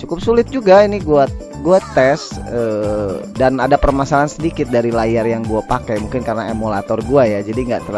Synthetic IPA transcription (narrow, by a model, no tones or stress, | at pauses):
t͡ʃukʊp̚sulɪt̪̚d͡ʒuɡainɪɡua | ɡuat̪ɛsəːdanadapərmasalansədikɪt̪̚daɾilajarjaŋɡuapakɛjmuŋkɪnkarnaemolat̪ɔrɡuajad͡ʒadiŋɡa̰ʔt̪əɾ